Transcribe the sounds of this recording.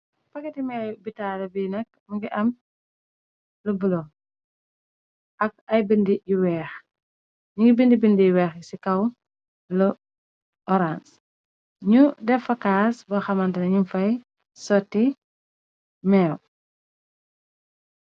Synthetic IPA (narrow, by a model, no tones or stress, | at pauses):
pɐkːɛtimɛːjbitalɐbinɐk̚ | muŋɡiʔɐm | lubulɔ | ʔɐk̚ɐjbindiɟiwɛːx | ɲuŋɡibindibindijwɛːxsikɐw | lu | ɔɾans | ɲudɛfɐkaːsbɔxɐmɐntɐnɐɲunfɐj | sɔtːi | mɛːw